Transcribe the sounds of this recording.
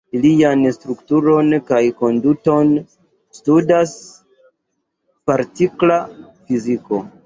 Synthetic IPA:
ilianstɾuktuɾo̞nkajko̞nduto̞n | studas | paɾtikla | fiziko̞̰

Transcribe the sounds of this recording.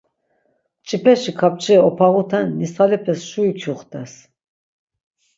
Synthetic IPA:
t͡ʃʼipʰɛʃikʰap̚t͡ʃʼʰɛɔpʰaʁut̪ʰɛnːisalɛpʰɛsʃuit͡ʃʰuχt̪ʰʼɛs

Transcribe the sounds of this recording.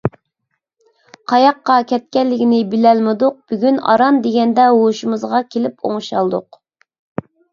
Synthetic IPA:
qʰɑjɑqːɑkʲʰɛt̪̚kʲɛllːɪkʲinɪbɪlɛlmɪd̪ʊq̚b̥yɡʲynɑ̰ɾɑnd̪eɡʲɛnd̪ɛɦoʃumɨzʁɑkʲʰelɪpʰo̰ŋʃɑlˠd̪ʊq

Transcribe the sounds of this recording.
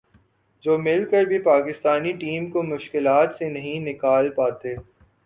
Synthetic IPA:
d͡ʒoːmɪlkəɾbʱipaːkɪst̪aːniʈiːmkomʊʃkɪlaːt̪senɐɦĩnɪkaːlpaːt̪eː

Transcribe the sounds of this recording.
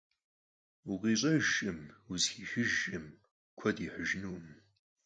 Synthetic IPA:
uqiːɕ̬ʼɐʒɨmuzxiːxɪʒɪm | kʷʰɔdiːħəʒnuːm

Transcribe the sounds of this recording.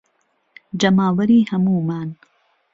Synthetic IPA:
d͡ʒɐmaːwɐɾiːhɐmuːmaːn

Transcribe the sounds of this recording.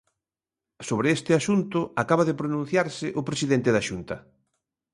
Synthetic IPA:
soβɾɪest̪ɪaʃunt̪ʊakaβɐðɪpɾonũn̟θjaɾsɪʔʊpɾesiðent̪ɪðaʃunt̪ɐ

